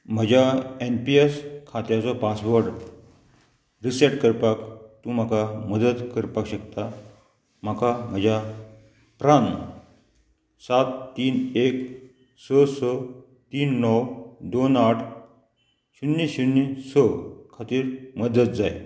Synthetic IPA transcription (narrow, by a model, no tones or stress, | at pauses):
m̤əd͡ʑjaenpieskʰat̪jat͡sɔpasʋəɾɖ | ɾisɛʈkəɾpakt̪ũm̤akaməd̪ət̪kəɾpakɕəkt̪a | m̤akam̤əd͡ʑa | pɾan | sat̪ːiːnek | səsə | t̪iːnːɔwd̪onaʈʰ | ɕunːiɕunːisəkʰat̪iːɾməd̪ət̪̚d͡zaj